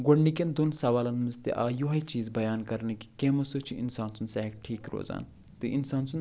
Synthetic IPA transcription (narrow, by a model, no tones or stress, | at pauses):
ɡoɽnikʲend̪unsɐʋaːlɐnmɨzt̪ḭʔa̰ːjuɦɐjt͡ʃiːzbɐjaːnkɐɾniki̥keːmɐsut͡ʃʰuʔḭnsaːnsunsɐɦkʈʰiːkɾo̰ːza̰ːn | t̪ɨʔinsaːnsʰun